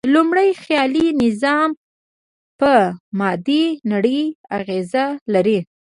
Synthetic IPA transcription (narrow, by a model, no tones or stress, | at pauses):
lumɽəjxjɑlinɪzɑm | pəmɑd̪inaɽəjaɣezalaɾi